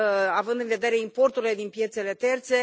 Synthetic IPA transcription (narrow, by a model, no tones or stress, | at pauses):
avɨnd̪ɨnve̞d̪e̞ɾeimpo̞rt̪uɾile̞d̪inpje̞t̪se̞le̞t̪e̞rt̪se̞